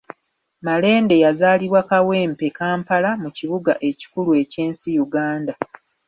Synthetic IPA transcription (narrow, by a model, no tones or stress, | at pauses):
male̞ːnde̞jazaːliβwakawe̞ːmpe̞kaːmpalamuciβuɡaʔe̞ci̥kulue̞ce̞ːnsijuɡaːnda